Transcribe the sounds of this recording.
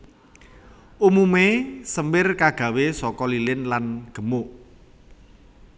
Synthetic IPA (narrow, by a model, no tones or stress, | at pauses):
ʔumumesəmbɪrkaɡ̥a̤wesɔkɔlilɪnlanɡ̥ə̤mʊʔ